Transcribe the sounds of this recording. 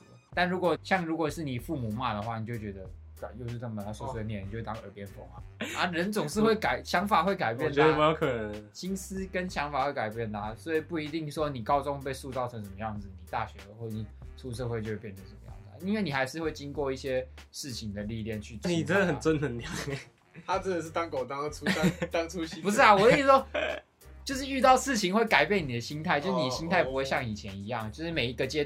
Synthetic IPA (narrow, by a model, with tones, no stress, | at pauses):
t̪a˥˩nɻu˧˥kwɔ˨˩ɕjɑ˥˩ŋɻu˧˥kwɔ˨˩ʂɻ̩˥˩ni˨˩fu˥˩mu˨˩ma˥˩d̪ə˩xwa˥˩ni˨˩t͡ɕjo˥˩ʊt͡ɕɥɛ˧˦d̪ə˧ | ka˨˩jo˥˧ʊʂ̩˥˧nə˥˩mə˧˩a˧˥su˥˧se˥˩˦jɛ˥˩ni˨o˥˧we˥˩t̪a˥ŋə̰˞˨˩pjɛ˦˥nfo˥˩ŋa˨˩a˥ɻə˧˦˥nt͡sʊ˨˩ŋʂɻ̩˥˧xwe˥˩ɪka˨˩ɪɕjɑ˧˥ŋfa˨˩xwe˥˩ɪka˨˩ɪpjɛ˥˩n˧˨˥me˧˥jo˧ʊkʰə˨˩nə˦nɕi˦˥ns̩˥kə˦nɕjɑ˧˥ŋfa˨˩xwe˥˩ɪka˨˩ɪpjɛ˥˩nd̪a˨˩swɔ˧˥i˨˩pu˥˩i˧˥t̪i˥˧ŋʂwɔ˦˥ni˨˩kɑ˥˦ʊt͡sʊ˥˦ŋ˧pe˥˧ɪsu˥˧t͡sɑ˥˩ʊɤ˧˦ŋʂə˨˩mə˦jɑ˥˩ŋd͡zɹ̩˨˩ni˨˩t̪a˥˩ɕɥɛ˧˦˥d̪ə˨xwo˥˩i˥˩nsu˥˧ʂɤ˥˧xwe˥˩ɪt͡ɕo˥˧wpjndʰə˨˩ʂə˨˩mə˦jɑ̰˥˩ŋd̪ə̰˩˨i˥nwe˥˩ɪni˨˩xa˧˥ɪʂɻ̩˥˧we˥˩ɪt͡ɕi˦ŋkwɔ˥˧i˥˩ɕjɛ˦ʂɻ̩˥˩t͡ɕʰi˧˥ŋd̪ə˨li˥˧ljɛ˥˩nt͡ɕʰy˥˧t͡sn˥i˨˩ɛ˧˥d̪ə˨hə˨nt͡swə˦nnə˧˦nljɑ˨˦ | t̪ʰa˥t͡sə˥˩d̪ə˨ʂ̬ɻ̩˥˩t̪ɑ˥ŋko˨˩ʊt̪ɑ˥˦ŋʰu˥t̪ɑ˥ŋt͡sʰu˦˥ɕi˥pu˧˥ʂ̬ɻ̩˥˩a˨wɔ˨˩˥i˥ʂwɔ˥ | t͡ɕjo˥˧ʊʂ̬ɻ̩˥˩y˥˧t̪ɑ˥˧ʊʂɻ̩˥˩t͡ɕʰi˧˥ŋxwe˥˩ɪka˨˩ɪpjɛ˥˩ni˨˩ə˩˦ɕi˦˥nt̪ʰa˥˩ɪt͡ɕjo˥˧ʂ̩˥˩ni˨˩əɕi˥nt̪ʰa˥˩ɪpu˦xwe˥˧ɕjɑ˥˩ŋi˨˩t͡ɕʰjɛ˧˦ni˧˦jɑ˥˩ŋt͡ɕjo˥˧ʊʂɻ̩˥˩me˨˩ɪi˧˦˥ɡə˧t͡ɕjɛ˥